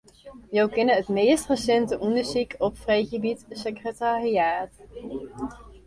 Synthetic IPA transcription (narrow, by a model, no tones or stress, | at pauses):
jawkɛnəɦətmejstrəsɛntəʔɔndəɹzikʰɔpfrejχəbitsəkrətariaːt